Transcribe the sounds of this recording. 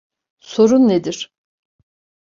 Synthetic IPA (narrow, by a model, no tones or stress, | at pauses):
so̞ɾunːed̪iɾ̥